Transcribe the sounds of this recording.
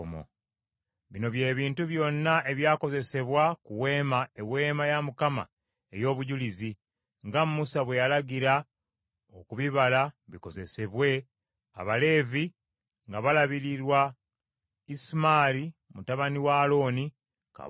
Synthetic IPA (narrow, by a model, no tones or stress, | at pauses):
mo̰ | βino̞βje̞ːβiːntuβjo̞nːaʔe̞βjaːko̞ze̞se̞βwakuwe̞ːmaewe̞ːmajamukama̰ | e̞̰jo̞ːβuɟulizi | ŋɡammusaβwe̞jalaɡiɾa | okuβiβalaβiko̞ze̞se̞βwe̞ | a̰βale̞ːvi | ŋɡaβalaβiɾiɾwa | ismaːɾimutaβaniwaːlo̞ːni | ka̰